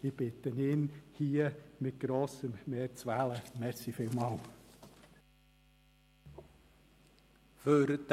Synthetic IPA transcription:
ɪb̥ɪt̪ənɪnhiːəmɪt̪̚ɡ̥ɾoːsəmmeːɾt͡sʋæləmɛɾsifɪlmɑl | føɾd̪̥

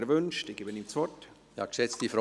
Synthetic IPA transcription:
ɾvʏnʃtɪɡybənɪmt͡sɔt | jɑ̰ːkʃɛt͡stifɾɔ

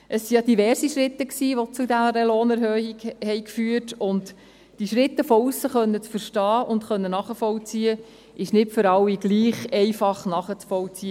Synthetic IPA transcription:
ʔəsːijɑdiʋɛrsiʃɾɪt̪ːəksiːʋot͡sudæɾəloːnæɾhøːhiɡhɛɪkfyːətʊnt | d̥iʃɾɪt̪ːəfɔusːəχœnːət͡sfəɾʃtɑːʊntχœnːənɑχəfɔlt͡siə | ʔɪʃnɪtfʏɾɑwːiɡ̥liːχɛɪfɑχnɑχət͡sfɔlt͡siə

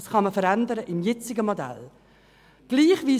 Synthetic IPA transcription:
sχɑməfəɾændəɾəʔɪmjɛt͡sɪɡəmodæ̰l | ɡ̥liːχʋiː

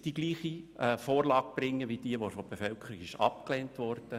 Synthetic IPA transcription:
d̥iɡliːχiɛfoːɾlɑːɡ̥̚b̥rɪŋːəʋid̥iəʋofob̥efœlkʰəɾikɪʃɑ̰p̚klɛːntʋɔrd̥ə

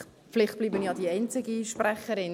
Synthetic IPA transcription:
flɪχt̚b̥liːbənjɑːdiɛɪnt͡sɪɡiʃpræχəɾɪn

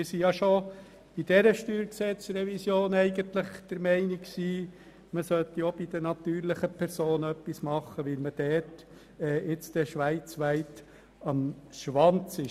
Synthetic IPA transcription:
ɪsijɑʃo | b̥id̥ɛɾəʃtyːɾksɛt͡sɾɛvisjoːnɛɪɡənt̪lɪχd̪̥əɾmɛɪniksiː | məsœt̪ːiob̥id̥̪ənɑt̪yːɾlɪχəpʰɛɾsoːnœpːismɑχːəʋɪlməd̥ɛt | ɛːɪt͡st̪ɛʃʋæɪt͡sʋæɪt | ɑmʃʋɑnt͡sɪ

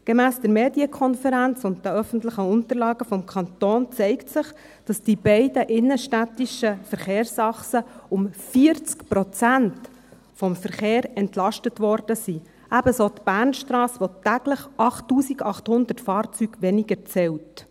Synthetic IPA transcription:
ɡ̥emæːsd̥əɾmeːdiəkʰɔnfəɾænt͡sʊnt̚dəœfən̩tlɪχəʊnt̪əɾlɑːɡəfɔmkʰɑntoːnt͡sɛɪktsɪχ | d̥ɑsd̥ib̥ɛɪdəʔɪnːəʃtætiʃəfəɾχeːrsɑχsəʊmfiəɾt͡skpɾɔt͡sænt | fɔmfəɾχeːɾɛntlɑʃtətʋɔrd̥əsi | ʔæbəsoːtb̥æːrnʃtɾɑːsʋotæɡləχʔɑχtːuːsiɡɑχthʊnd̪ətfɑːɾt͡syːɡ̥ʋɛnɪɡəɾt͡sɛwt

